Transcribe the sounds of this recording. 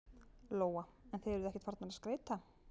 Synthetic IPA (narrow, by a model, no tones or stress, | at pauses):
loːwaɛnθejðɛɾðʏɛhcɛ̥t̪faɾt̪naɾaskɾeːjt̪a